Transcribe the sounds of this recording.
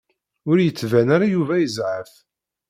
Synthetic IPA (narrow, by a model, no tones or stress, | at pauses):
ʊɾjət͡sːvænaɾajuvæjəzʕəf